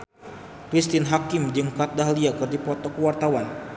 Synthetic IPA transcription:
kɾist̪ɪnɦakimd͡ʒɨŋkat̪̚daɦliakɨrdipɔt̪ɔkəwart̪awan

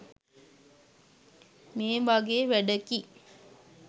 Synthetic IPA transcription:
meːʋaɡeʋæɖəki

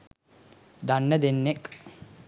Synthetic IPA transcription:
d̪ɐnːɐd̪enːek

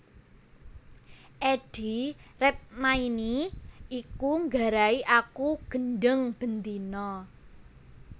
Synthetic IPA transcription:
ʔeɖ̥i̤rɛt̪̚mainiʔikuŋɡaɾaiʔakuɡ̥ənɖəŋb̥ənt̪inɔ

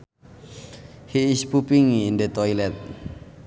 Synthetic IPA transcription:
hiispupiŋːndet̪ɔilɛt̪̚

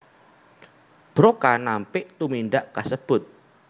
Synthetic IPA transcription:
b̥ɾɔkanampɪʔt̪uminɖaʔkasəb̥ʊt̪̚

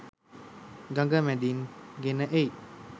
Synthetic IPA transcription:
ɡɐŋɡamɛd̪inɡenaʔej

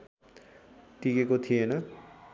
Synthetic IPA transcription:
ʈikekot̪ʰijenʌ

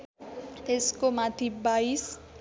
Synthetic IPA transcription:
eskomat̪ʰibais

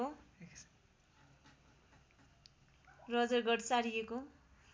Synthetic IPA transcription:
o | rʌd͡zʌrɡʌɽt͡saɾijeko

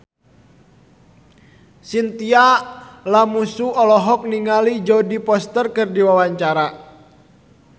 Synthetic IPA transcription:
sint̪ialamusuɔlɔɦɔk̚niŋalid͡ʒɔdipɔst̪ərkɨrdiwawaɲt͡ʃaɾa

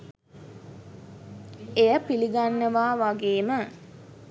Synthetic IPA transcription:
ejəpiliɡanːəʋaːʋaɡeːmə

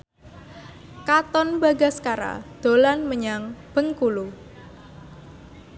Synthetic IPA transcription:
kat̪ɔnbaɡa̤skaɾa̰d̪̥o̤lanməɲaŋb̥əŋkulu

